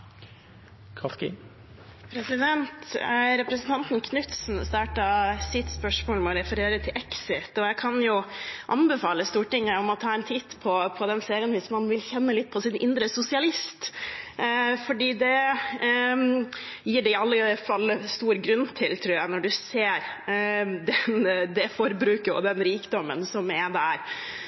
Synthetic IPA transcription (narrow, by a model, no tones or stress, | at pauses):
kʰɑskɪ̰ | pʰɾɛsɪd̪ɛnt̪ɾɛpɾəsən̩t̪ɑnt̪nkʰnʉt̪sn̩st̪ɑːʈɑsɪt̪spœʂmoːlmɛɔɾɛfəɾeːɾət̪ʰɪlʔɛksɪt̪ɔjæɪkʰɑnjʊʔɑnbɛfɑːləst̪uːʈɪŋːəɔmɔt̪ʰɑːɛnt̪ʰiːt̪pʰɔpʰɔd̪ɛnseːɾɪənʋɪsmɑnʋɪlçɛnːəlɪt̪̚ːpʰɔsɪnʔɪ̰nd̪ɾəsʊsɪɑlɪst̪ | fɔɖiːd̪ɛ | jiːɖɛɪɑlːəfɑlːst̪uːɾɡɾʉnːt̪ʰɪlt̪ʰɾuːɾjæɪnɔɖʉseːɾ | d̪ɛnd̪ɛfɔɾbɾʉːkəɔ̰d̪ɛnɾiːkd̪ɔmːənsɔmɛd̪æɾ